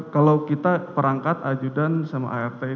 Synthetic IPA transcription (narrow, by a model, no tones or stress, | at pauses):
kalawkit̪apəɾaŋkat̪ad͡ʒudansama̰ʔaɛrt̪a